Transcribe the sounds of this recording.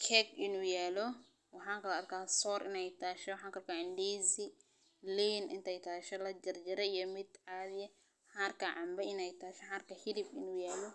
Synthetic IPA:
kʰɛkʔɪnuːjaːlɔ | wɑħɑːŋkɐlɐɐrkʰaːsɔːɾʔɪnɛjt̪ʰaːʃɔwħaːŋkɐlkaːɪndiːzi | liːnʔɪ̰nt̪ʰɛjt̪ʰaːʃɐlɐd͡ʒɐrd͡ʒɪɾɛijɔmɪd̪ʕaðɪjɛ | ħaːɐrkʰaʕɑmbɐɪnɛjt̪ʰaːʃɛħaːrkɐhilɪfɪnuːjaːlɔ

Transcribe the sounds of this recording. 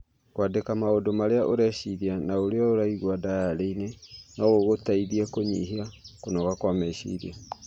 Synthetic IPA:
kwadekamaodomaɾeaʔoɾɛʃiðianaoɾeɔoɾaiɣwadajaɾeinenɔɣoɣotaiðiakoɲḭɦiakonɔɣakwamɛʃḭðḭa

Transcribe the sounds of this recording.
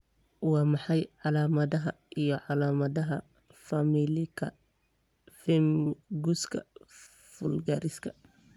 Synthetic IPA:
wɑːmɑħɑjʕɑlaːmɐðɐɦɐ | ijɞʕɑlaːmɐðɐɦɐ | fɐmilɪkʰɐ | fɪmɡuskʰɐ̰ | fʊlɡɐːɾɪskʰɐ

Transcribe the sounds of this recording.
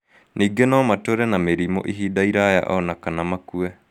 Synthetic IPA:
nʔiːɡenɔmatoɾɛnameɾimo̰ʔiɦiːdaiɾaja̰ʔɔnakanamakuɛ

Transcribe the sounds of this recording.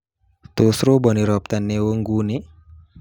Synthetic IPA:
t̪osɾobɔniɾɔp̚t̪anːewoŋɡune

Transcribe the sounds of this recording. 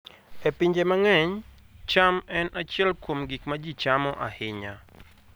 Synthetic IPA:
epiɲd͡ʒemaŋɛɲ | t͡ʃamɛnʔat͡ʃɛlkwomɡikmad͡ʒit͡ʃamɔʔahɪɲa

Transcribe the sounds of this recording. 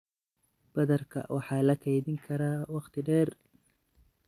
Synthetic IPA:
b̥ɐðɐrkʰɐ̰wʔɑħɑːlɐkʰɛjðɪŋkʰɐɾaːwɑqt̪ʰɪɖɛːr

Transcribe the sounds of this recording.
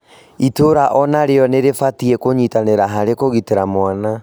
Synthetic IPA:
itoɾaʔɔnaɾeɔneɾefatiekoɲitaneɾaɦaɾekoɣiteɾamwana

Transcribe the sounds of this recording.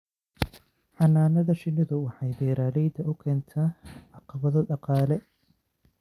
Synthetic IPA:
ħɑnːaːnɐðɐʃɪnːɪðʊwɑħɑjbɛːɾaːlɛjd̪ɐʔʊkʰɛːnt̪ʰaːʕɑqɑβɐðɔɖɑqɑːlɛ

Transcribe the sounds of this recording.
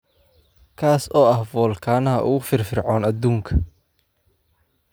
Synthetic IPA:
kʰaːsɔːɐhvɔːlkʰaːnɐɦɐʔʊ̰ɣʊfɪrfɪrʕɔːnɐd̪uːŋkʰɐ

